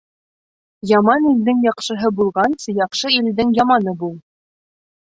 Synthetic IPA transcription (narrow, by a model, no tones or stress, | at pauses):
jɑmɑnild̪ɘŋjɑqʃɤ̆ɦɤbulˠʁɑnsɤjɑqʃɤild̪ɘŋjɑmɑnɤbulˠ